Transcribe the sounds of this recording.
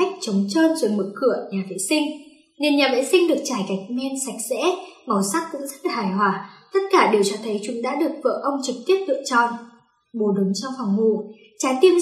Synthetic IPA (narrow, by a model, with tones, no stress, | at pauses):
a˦˥k̟̚t͡ɕə˨˦wŋ͡mt͡ɕəː˧nzo˨˩jmɨ̰˧˩kɨ˧˩əɲaː˨˩vḛ˧˥sï˧ŋ̟ | ne˧nɲaː˨˩vḛ˧˥sï˧ŋ̟ɗɨ˨˩ək̚t͡ɕaː˧˩jka˨˩jk̟̚mɛ˧nsa˨˩jk̟̚zɛ̰˧˥mə˨˩sa˦˥k̚kʊ̰˧˥ŋ͡mzə˦˥t̚laː˨˩aː˧˩jɦwaː˧˩t̪ə˦˥t̚kaː˧˩ɗe˨˩wt͡ɕɔ˧t̪ʰə˨˦jt͡ɕʊ˨˦ŋɗa̰ː˧˥ɗɨ˨˩ək̚və̰ː˧˨ʔə˧wŋ͡mt͡ɕɨ˨˩k̚t̪i˦˥əp̚lɨ̰˧˨t͡ɕɔ̰˧˨n | ɓo˨˩ɗʊ˨˦ŋ͡mt͡ɕɔ˧wŋ͡mhwaː˨˩ŋŋu˧˨˩ | t͡ɕaː˨˧˩jt̪i˧əm